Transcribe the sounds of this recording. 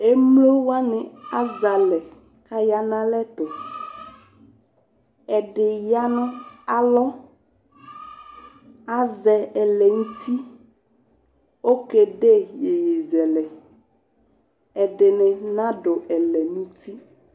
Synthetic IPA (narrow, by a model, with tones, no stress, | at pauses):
e˦mlo˦wa˦nɛ̃˨a˦za˨lɛ˨ | ka˦ja˦nã˦lɛ˦t̪o˨ | ɛ˨ɖe˨ja˦nɔ̃˦a˨lɔ˦ | a˦zɛ˨ɛ˨lɛ˨ŋũ˦t̪i˦ | wo˦ke˨ɖe˦je˨je˨zɛ˨lɛ˨ | ɛ˨ɖe˨nɛ̃˨nã˦ɖo˨ɛ˨lɛ˨nũ˦t̪i˦